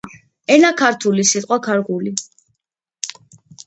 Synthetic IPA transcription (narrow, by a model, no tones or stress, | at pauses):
ɛnakʰaɾt̪ʰulisit̪ʼqʼwakʰaɾʁuli